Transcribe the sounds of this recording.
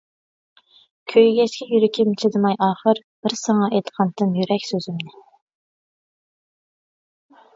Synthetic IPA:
kʲʰøjɡʲɛt͡ʃkʲɛjyɾɪkʲɪmt͡ʃʰɪd̪ɨmɑjʔɑːχəɾb̥ɪɾsəŋɑʔɛjt̪qʰɑnt̪ʰːɨnjyɾɛkʲsøzymnɪ

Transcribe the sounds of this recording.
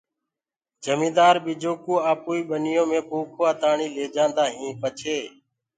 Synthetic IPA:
d͡ʒəmĩːd̪aːɾbiːd͡ʒoːkuːaːpuːiːɓənɪjõːmẽːpoːkʰoːaːt̪aːɳiːleːd͡ʒãːnd̪aːɦĩːpət͡ʃʰeː

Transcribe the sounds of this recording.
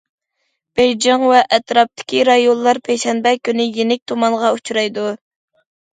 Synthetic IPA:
b̥ejd͡ʒɑŋvɛʔɛt̪ɾɑp̚t̪ʰɪ̥kʲiɾɑjonˠlːˠɑɾpʰɛjʃɛnbɛkʲynɪjenɪk̚ʲt̪ʰomɑnʁɑut͡ʃʰuɾɑjd̪u

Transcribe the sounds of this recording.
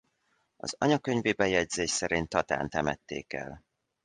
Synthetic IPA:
ɒ̰zɒɲɒkøɲveːbɛjɛɟzeːʃsɛɾint̪ːɒt̪a̰ːnt̪ɛmɛt̪ːḛːkɛ̰l

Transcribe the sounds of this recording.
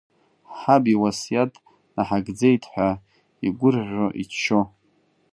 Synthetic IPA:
ħabiwasjatʼ | naħaɡd͡zejtʰħʷᶣa | iɡʷʊrʕʷoʔit͡ʃːo

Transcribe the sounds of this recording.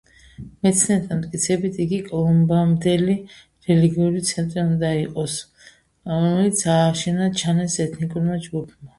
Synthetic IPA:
mɛt̪sʰnɛt̪ʰanmt̪ʼkʼit̪sʰɛbit̪ʰiɡikʼɔlˠɔmbamd̪ɛli | ɾɛliɡiuɾit̪sʰɛnt̪ʼɾiund̪aiqʼɔs | ɾɔmɛlit̪sʰaːʃɛnat͡ʃʰanɛsɛt̪ʰnikʼuɾmad͡ʒɡupʰma

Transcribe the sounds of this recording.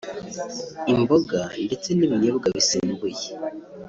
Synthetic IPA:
imboɡande̞t͡se̞niβiɲeβuɡaβisimbuje

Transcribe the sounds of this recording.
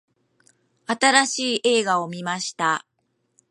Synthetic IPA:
at̪aɾaɕiːʔe̞ːɡao̞mʲimaɕi̥t̪a

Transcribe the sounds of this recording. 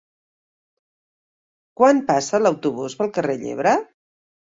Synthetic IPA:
kwanpasələwt̪uβuzβəlˠkəreʎḛβ̞ɾə

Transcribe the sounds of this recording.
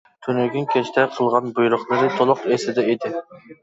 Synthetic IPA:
t̪ʰynyɡʲynkʲʰɛt͡ʃʰt̪ʰɛqʰəlˠʁɑnbujuɾʊχlˠɨɾɨt̪ʰolˠʊqesɪd̪ɛed̪ɪ

